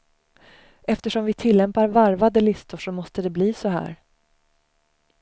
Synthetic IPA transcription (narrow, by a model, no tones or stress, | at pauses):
ɛft̪əʂɔmvɪt̪ʰɪlːɛmpaɾvaɾvad̪əlɪst̪ʊʂɔmɔst̪əd̪ɛbliːsɔhæ̰ːɾ